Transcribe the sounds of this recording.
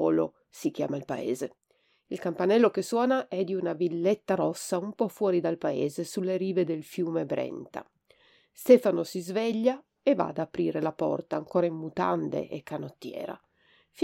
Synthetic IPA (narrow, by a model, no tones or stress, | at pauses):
ɔːlo̰ | sik̟ja̰ːmailpa̰ḛːze | ilkampanɛlːokesːwɔːnaʔɛd̪iunavilːet̪ːaɾɔsːaumpɔfwɔːɾid̪alpaeːzesulːeɾiːved̪elfjuːmebɾɛ̰nt̪a̰ | st̪ɛːfanosizvɛʎːa | eva̰ːd̪apɾiːɾelapɔ̰rt̪aːŋkoːɾaimːut̪a̰nd̪ḛʔekːanot̪ːjɛ̰ːɾa̰ | f